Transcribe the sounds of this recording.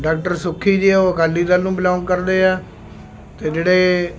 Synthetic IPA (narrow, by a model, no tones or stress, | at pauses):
ɖaːk̚ʈəɾsʊkʰːiːd͡ʒiːɛːoːəkaːlːiːd̪aːlnũːbɪlãːnkəɾd̪eːɛː | t̪eːd͡ʒeːɽeː